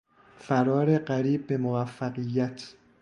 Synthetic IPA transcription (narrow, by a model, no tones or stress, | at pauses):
fæɾɒːɾe̞ɢæɾiːb̚ːe̞movæfːæɣijːæt̪ʰ